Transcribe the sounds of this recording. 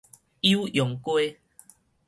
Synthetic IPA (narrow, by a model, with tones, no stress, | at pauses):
i˦u˦jɔ˨˦ŋkwe˦